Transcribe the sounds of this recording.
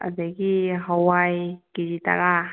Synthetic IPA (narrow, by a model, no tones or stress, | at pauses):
a̰daɡiɦawajkiɾita̰ɾa